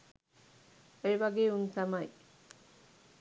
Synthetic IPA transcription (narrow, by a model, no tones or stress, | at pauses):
ejʋɐɡeːunt̪ɐmɐj